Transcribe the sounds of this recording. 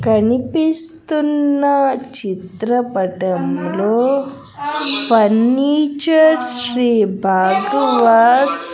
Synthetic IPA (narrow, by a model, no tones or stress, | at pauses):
kɐnipist̪unːɐt͡ʃit̪ɾɐpɐʈɐmloː | pʰɐnːiːt͡ʃɐɾʃɾiːbʱaːɡɐʋaːs